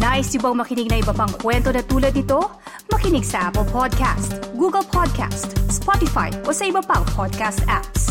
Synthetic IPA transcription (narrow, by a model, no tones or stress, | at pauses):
naːʔɪst̪ɪbɐŋmɐkɪnɪɡ̚nɐʔɪbɐpɐŋkwɛnt̪o̞nɐt̪uːlɐd̪nɪt̪o̞ | mɐkɪnɪɡsɐʔapɛlpʰod̪̚ka̰st̪ɡuːɡɐlpʰod̪̚kʰa̰st̪spot̪ɪfa̰jʔo̞sɐɪbɐpɐŋpʰod̪̚kast̪ʔaps